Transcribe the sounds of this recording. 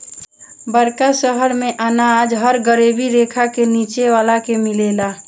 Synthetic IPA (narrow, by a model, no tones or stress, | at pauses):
bəɾkasəɦəɾmeʔənad͡ʒɦəɾɡəɾebiɾekʰakenit͡ʃeʋaːlakemilela